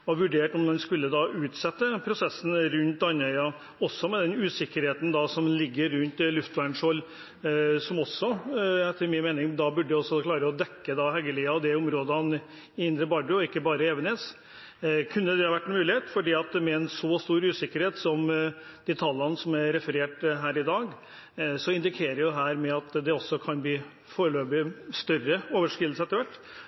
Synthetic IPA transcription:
ɔʋʉɖeːʈɔmd̪ɛnskʉlːəd̪ɑʔʉːt̪sɛt̪ːəpʰɾʊsɛsːn̩ɾʉnt̪ɑnːœʏɑ | ɔsːɔmɛd̪ɛnʉːsɪkːəɾheːt̪n̩d̪ɑsɔmlɪɡːəɾːʉnt̪lʉft̪ʋæɳʂɔlː | sɔmɔsːɔæt̪ʰɪmiːəmeːnɪŋd̪ɑbʉɖəɛɔsːɔkʰlɑːɾəɔd̪ɛkːəd̪ɑɦɛɡəliːɑd̪ɛʊmɾoːd̪əɑn | ɪɪnd̪ɾəbɑɖʉɔɪkːəbɑːɾəeːʋəneːs | kʰʉnːəd̪ɛhɑʋæʈːɛnmʉːlɪheːt̪fɔɖiːɑt̪mɛɛnsɔst̪uːɾʉːsɪkːəɾheːt̪sɔm | d̪̥iːt̪ʰɑlːɑnsɔmæɾɾɛfəɾeːʈɦæːɾɪd̪ɑːɡ | sɔɪnd̪ɪkʰeːɾəjʊɦæːɾmɛɑt̪d̪ɛɔsːɔkʰɑnbliː | foːɾəløːbɪst̪œrːəoːʋəʂkɾɪll̩səɛt̪ːəɾʋæʈː

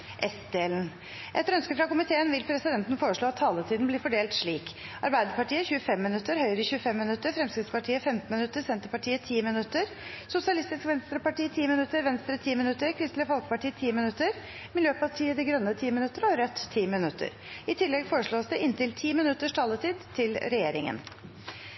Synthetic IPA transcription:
ʔɛst̪d̪eːln̩ | ʔɛt̪ɾœnskəfɾɑkʊmɪt̪ʰeːənʋɪlpʰɾɛsɪd̪ɛnt̪nfoːɾəʂɭoːɑt̪ʰːɑːlət̪ʰiːd̪n̩blɪɾfɔɖeːlt̪ʂɭiːkʔɑ̰ɾbæɪd̪əɾpɑʈʰiːəçʉːəfɛmːɪnʉt̪ːəɾhœʏɾəçʉːəfɛmːɪnʉt̪ːəɾfɾɛmskɾɪt̪spɑʈʰiːəfɛmt̪n̩mɪnʉt̪ːəsɛnt̪əɾpɑʈiːət̪ʰiːmɪnʉt̪ːəɾ | sʊsɪɑlɪst̪ɪskʋɛnst̪ɾəpɑʈiːt̪ʰiːmɪnʉt̪ːəɾʋɛnst̪ɾət̪ʰiːmɪnʉt̪ːəɾkʰɾɪst̪lɪəfɔlkə̥pɑʈʰiːət̪ʰiːmɪnʉt̪ːəɾ | mɪljøːpɑʈʰiːəd̪ɛɡɾœnːət̪ʰiːmɪnʉt̪ːəɾəɔɾœt̪ʰːiːmɪnʉt̪ʰːə̰ɾ | ɪt̪ʰɪlːɛɡfoːɾəʂɭoːsd̪ɛɪnt̪ɪlt̪ʰiːmɪnʉt̪ːəʂʈʰɑːlət̪ʰiːd̪t̪ʰɪlɾɛjeːɾɪ̰ŋə̰n

